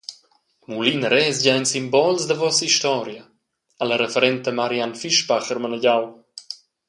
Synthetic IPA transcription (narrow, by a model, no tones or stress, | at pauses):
mulinɾɛsɟajnsimbɔlsd̪əvɔsiʃt̪ɔɾjə | aləɾefeɾɛnt̪əmaɾianfiʃpaχəɾmənəɟaw